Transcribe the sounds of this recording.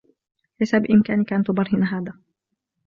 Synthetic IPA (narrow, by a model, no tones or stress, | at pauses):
ħajsabɪʔɪmkaːnɪkaʔant̪ʊbɑɾˤhɪnaɦaːðaː